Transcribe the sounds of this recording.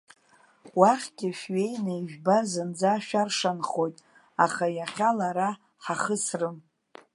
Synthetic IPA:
waχʲɡ̥ʲɪʃɥejnajʒᶣbazɨnd͡zaʃᶣarʂanχo̞jtʼ | aχajaχʲalaɾa | ħaχəsrɨm

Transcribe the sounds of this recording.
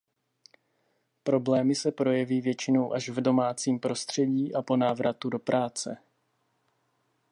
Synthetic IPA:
pɾo̞blɛːmɪsɛpɾo̞jɛviːvjɛt͡ʃɪno̞wʔaʒvdo̞maːt͡siːmpɾo̞st̪r̥ɛɟiːʔapo̞naːvɾʔat̪udo̞pɾʔaːt͡sɛ̰

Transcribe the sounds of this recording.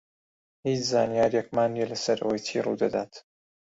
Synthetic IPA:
hiːt͡ʃzaːnijaːɾjɛk̚maːnːielɐsɐɾʔoːjtʰiːrṵd̪ɐd̪aːt̪

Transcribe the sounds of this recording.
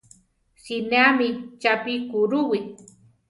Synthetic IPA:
sinamit͡ʃapikuɾʊwi

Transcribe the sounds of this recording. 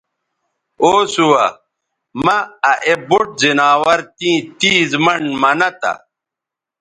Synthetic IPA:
oːsuwɐ | mɐːʔeboʈ̚zinaːwɐɾt̪ĩːt̪iːzmɐɳmɐnɐt̪ɐ̰

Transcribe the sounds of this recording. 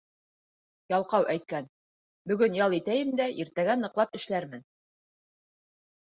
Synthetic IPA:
jɑlˠqɑwʔæjt̪̚kæn | bɵ̆ɡɵnjɑlˠit̪æjɘmd̪æʔiɾt̪æɡænɤ̆qlˠɑpɘ̆ʃlæɾmɘn

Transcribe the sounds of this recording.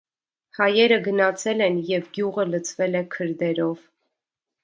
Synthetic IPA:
hɑjɛɾəɡənɑt͡sʰɛlɛnjɛvɡjuʁələt͡sʰvɛlɛkʰəɾd̪ɛɾɔv

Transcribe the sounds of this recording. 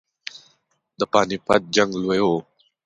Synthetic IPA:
d̪apanipa̰t̪̚d͡ʒaŋluəjo

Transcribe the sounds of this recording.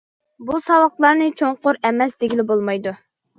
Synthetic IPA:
busɑwɑqlˠɑɾnɨt͡ʃʰoŋqʊɾɛmɛsd̪eɡʲilɪbolˠmɑjd̪u

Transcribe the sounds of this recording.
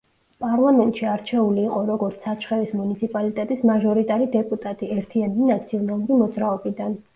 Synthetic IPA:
pʼaɾlˠamɛnt̪ʼʃiaɾt͡ʃʰɛuliːqʼɔɾɔɡɔɾt̪sʰat͡ʃʰχɛvismunit̪sʰipʼalit̪ʼɛt̪ʼismaʒɔɾit̪ʼaɾid̪ɛpʼut̪ʼat̪ʼiɛɾt̪ʰianminat̪sʰiɔnalˠuɾimɔd̪zɾaɔbid̪an

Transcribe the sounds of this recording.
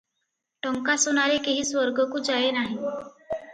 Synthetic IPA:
ʈəŋkasonaɾekeɦiːsʋəɾɡəkuːd͡zajenaɦi

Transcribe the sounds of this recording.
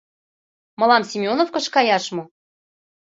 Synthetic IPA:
mɤ̆lɑmsʲimʲonofkɤ̆ʃkɑjɑʃmu

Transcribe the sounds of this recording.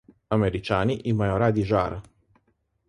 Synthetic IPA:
ameɾit͡ʃaːniʔimajoɾad̪iʒa̰ːɾa

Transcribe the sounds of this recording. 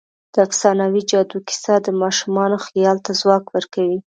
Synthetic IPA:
d̪̥əaksɑnawid͡ʒɑd̪uki̥sad̪əmɑʃumɑnoxijɑlt̪azwɑkwəɾkawi

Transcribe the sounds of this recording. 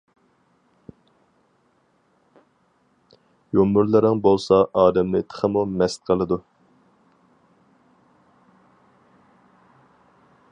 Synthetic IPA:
jomːʊɾlˠɨɾɪŋbolˠsɑʔɑːd̪ɛmlɪt̪ʰə̥χʰəmumɛst̪̚qʰəlˠɨd̪u

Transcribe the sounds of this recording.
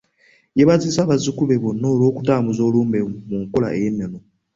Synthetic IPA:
jeβat͡sisaβazikuβeβonolokutaːmbuzoluːmbemuŋkola̰ʔejenelo

